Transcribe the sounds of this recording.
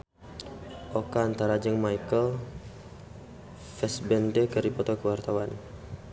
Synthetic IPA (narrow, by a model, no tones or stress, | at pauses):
ʔokaːnt̪aɾad͡ʒəŋmajkəl | fɛsbɛnd̪əkəɾipɔt̪ɔkəwart̪awan